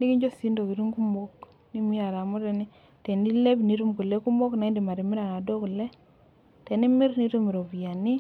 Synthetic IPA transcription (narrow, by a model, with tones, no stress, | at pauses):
nɪ˦ki˦ɲd͡ʒo˦si˦ndo˨ki˨ɾu˦ŋku˦mɔ˦k | ni˦mi˦a˨ɾa˨mo˦tɛ˦nɪ˦ | te˨ni˦le˦bni˨˦ɾu˦mku˨le˦ku˦mɔ˦kna˨˦ndi˨ma˨ɾi˨mɪ˦ɾa˨na˨do˦klɛ˦ | tɛ˨nɪ˦mɪ˦ɾni˦to˦mi˨ɾo˨bi˨ja˨nɪ˦